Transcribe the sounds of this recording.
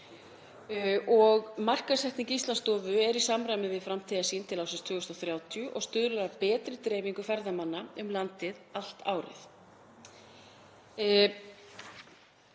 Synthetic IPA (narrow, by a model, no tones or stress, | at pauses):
ɔɣmar̥kasɛht̪niŋcɪist̪lanst̪ɔːvʏɛɾisamɾajmɪvɪðfɾamt̪ʰɛðasint̪ʰɪlawsɪnst̪ʰvʏːɣʏst̪awθɾjaːwt̪ʰjʏʔɔɣst̪ʏðɾʏɾapɛːt̪ɾɪt̪ɾɛːviŋkʏfɛɾðamanːaʏmlant̪ɪðal̥t̪a̰ːwɾɪ̰θ